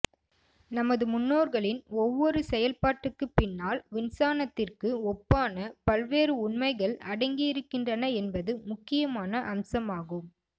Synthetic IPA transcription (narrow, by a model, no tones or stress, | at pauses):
nɐmɐðɯmʊnːoːɾɣɐɭɪnɔʋːɔɾɯsɛjɐlpaːʈːɯkːɯpɪnːaːlʋɪnsaːnɐt̪ːɪrkɯɔpːaːnɐpɐlʋeːɾɯʊɳmɐɪɣɐɭɐɽɐɪŋɡɪjɪɾɯkːɪndrɐnɐɛnbɐðɯmʊkːɪjɐmaːnɐʔɐmsɐmaːɣɯm